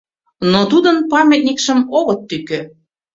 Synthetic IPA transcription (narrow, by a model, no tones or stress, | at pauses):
not̪ud̪ənpɑmʲet̪̚nʲikʃəmoɣət̪ːykø